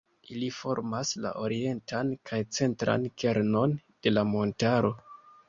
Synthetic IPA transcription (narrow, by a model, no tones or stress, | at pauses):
ʔilifo̞ɾmasla̰ʔo̞ɾie̞ntankʰajt͡se̞ntɾa̰nkʰe̞ɾno̞nd̥e̞lamo̞ntaɾo̞